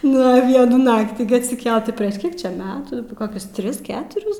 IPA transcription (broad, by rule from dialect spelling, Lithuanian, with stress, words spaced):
ˈnʊ ˈʋʲiɛnuː ˈnɑːktʲiː ɡʲɪ ɐtʲsʲɪˈkʲɛlˠt pʲrʲiɛʃ ˈkʲiɛk ˈt͡ʃʲɛ ˈmʲæːtuː koːˈkʲʊs ˈtʲrʲɪs ˈkʲæːtʊrʲɪs